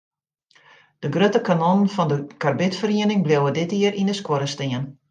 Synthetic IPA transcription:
d̥əɡrøtəkanɔnnfɔndəkarbɪtfəriənɪŋbleəwədɪtiərʔindəskwoɾəstiən

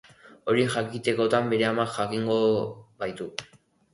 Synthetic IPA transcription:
o̞ɾixakit̪e̞ko̞t̪ambe̞ɾe̞amaxakiŋɡo̞βajt̪u

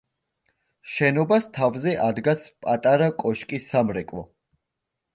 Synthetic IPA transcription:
ʃɛnɔbast̪ʰavzɛʔad̪ɡaspʼat̪ʼaɾakʼɔʃkʼisamɾɛkʼlˠɔ

